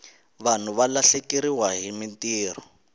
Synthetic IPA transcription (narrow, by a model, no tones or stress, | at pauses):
βan̤uβalaɬekiɾiwaɦimintiːr̤ɔ